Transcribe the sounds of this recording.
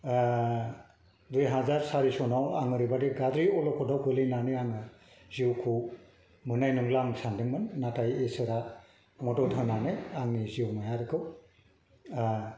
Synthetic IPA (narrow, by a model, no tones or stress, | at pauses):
dujɦazaɾsaɾisɔnawaŋɯɾibadeɡadɾiɔlɔkʰɔdawkɯlinaneaŋɯ | ziwkʰu | mɯnajnɯŋlaŋsandɯŋmɯnːatʰajesɯɾa | mɔtɔtʰɯnanɯjaŋniziwmajaɾɯkʰɯw